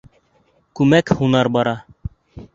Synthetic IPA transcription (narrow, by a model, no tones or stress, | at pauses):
kʉmækhunɑɾbɑɾɑ